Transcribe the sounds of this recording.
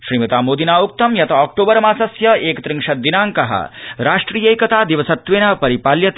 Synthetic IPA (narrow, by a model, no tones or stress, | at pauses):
ʃɾiːmɐt̪aːmoːd̪inaːuk̚t̪ɐmjɐt̪ʰɐaːk̚ʈoːbɐɾɐmaːsɐsjɐeːkɐt̪ɾiŋʂɐd̪inaːŋkɐɦɐ̰ɾaːʂʈɾiːjeːjkɐt̪aːd̪iʋɐsɐt̪ʋeːnapɐɾipaːljɐt̪